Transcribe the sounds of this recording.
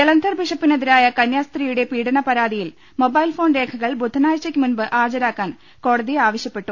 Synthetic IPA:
elɐnd̪ʱɐrbiʂɐpːineðiɾaːjɐkɐnjaːst̪rijuɽe̞piːɽɐɳɐpɐɾaːd̪ijil | mo̞bɐjilfo̞ːnɾe̞ːkʰɐɣɐɭbud̪ʱːɐnaːjt͡ɕːɐkʲːɨmunbɨʔaːrd͡ʑɐɾaːkːaːn | ko̞ːɽɐðiaːʋɐɕjɐpːe̞ʈːu

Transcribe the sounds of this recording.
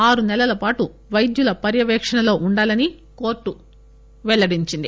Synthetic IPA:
aːɾunɛlɐlɐpaːʈu | ʋɐjd̪julɐpɐɾjɐʋɛːkʂɐnɐlo̞ːʔuɳɖaːlɐni | ko̞ːɾʈːu | ʋɛɭːɐɽiɲt͡ʃind̪ḭ

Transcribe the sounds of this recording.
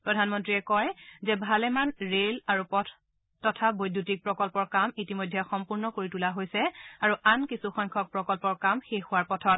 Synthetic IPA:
pɹɔdʱanmɔntɹiɛkɔjzɛbʱalɛmanɹelaɹupɔtʰ | tɔtʰabojdʱutik̚pɹɔkɔlpɔɹkamitimojdʱːɛxɔmpuɹnɔkoɹitulaɦojsɛaɹuʔankisuxɔjŋkʰɔk̚pɹɔkɔlpɔɹkamxexʊwaɹpɔtʰɔt̚

